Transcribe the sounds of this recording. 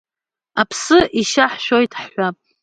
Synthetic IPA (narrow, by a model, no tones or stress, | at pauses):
apʰsɨʔiʃaħʃo̞jtʰʼħːʷapʼ